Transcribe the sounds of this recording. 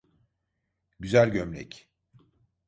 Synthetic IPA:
ɟyzælʲɟømlʲɛ̰c

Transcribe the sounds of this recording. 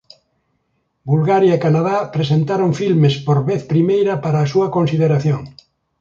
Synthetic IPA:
bulɣaɾjaekanaðapɾesent̪aɾoŋfilmespoɾβeθpɾimejɾɐpaɾaːsuɐkõnsiðeɾaθjõŋ

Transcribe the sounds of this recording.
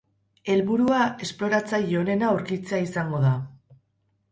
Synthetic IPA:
e̞lβuɾuae̞splo̞ɾat͡sajo̞ne̞nauɾkit͡seaisaŋɡo̞ða

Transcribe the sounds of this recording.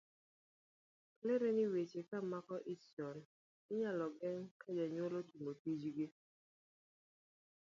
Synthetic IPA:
kleɾenɪwet͡ʃekamakɔʔɪsɔn | ɪɲalɔɡɛŋkad͡ʒaɲwolotumotid͡ʒɡɪ

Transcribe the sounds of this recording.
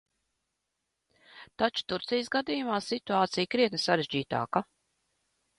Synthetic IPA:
t̪at͡ʃu̥t̪uɾt̪sijəsɡad̪ijumaːsit̪uaːt̪sijkɾiɛnɨsaɾeʒd͡ʒiːt̪a̰ːka

